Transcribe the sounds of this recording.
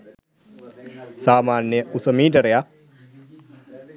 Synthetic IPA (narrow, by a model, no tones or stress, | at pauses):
saːmanːeʔusəmidəɾeak̚